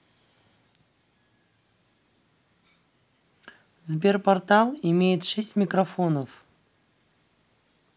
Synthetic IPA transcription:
zbʲe̞rpɐrt̪alˠɪmʲejɪt̪ʂɛsʲtʲmʲɪkrɐfo̞nəf

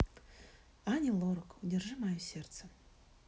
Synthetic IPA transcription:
anʲilˠoɾokudʲerʐɨmajusʲert̪sə

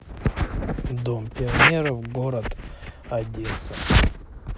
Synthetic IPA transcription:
d̪ompʲɪɐnʲeɾəvɡoɾət̪ɐdʲesɐ

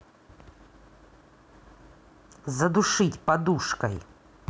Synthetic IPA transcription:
zɐd̪ʊʂɨtʲpɐd̪uʂkəj

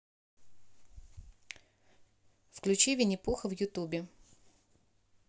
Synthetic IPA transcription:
fklʲʉt͡ɕivʲɪnʲɪpuxəvjʊt̪ubʲɪ

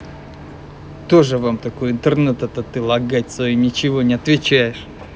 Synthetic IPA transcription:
t̪o̞ʐɨvamt̪ɐko̞jɪnt̪ɨrnɛt̪ɛt̪ɐt̪ɨlˠɐɡatʲsoinʲɪt͡ɕɪvo̞nʲɪɐt̪vʲɪt͡ɕæjɪʂ

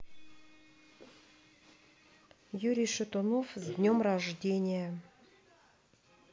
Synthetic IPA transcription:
juɾʲijʃɨt̪onofzʲd̪ʲnʲomraʐdʲenʲɪjə

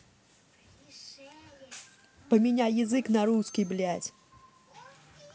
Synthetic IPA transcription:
pɐmʲinʲajazɨknaɾuskʲiblʲat͡sʲ

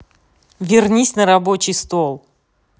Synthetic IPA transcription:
vʲɪrnʲisʲnəɾɐbo̞t͡ɕɪjst̪olˠ

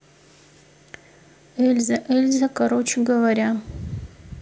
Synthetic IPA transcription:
elʲzɐʔelʲzɐkaɾot͡ʃʰeɡɐvɐɾʲa

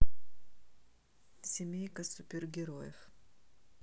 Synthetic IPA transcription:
sʲɪmʲejkəsʊpʲɪrɡʲɪɾojɪ̰f

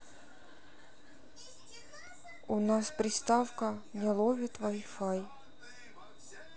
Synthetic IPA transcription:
ʊnaspɾʲɪst̪afkənʲɛlˠovʲɪt̪vajfaj

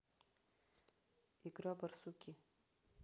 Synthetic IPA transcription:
iɡɾɔbɐɾsukʲi

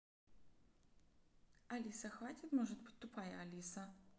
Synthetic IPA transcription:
alʲisɐxvatʲit̪mɔʐɨd̪̚bɨ̥tʲt̪ʊpajɐalʲisɐ

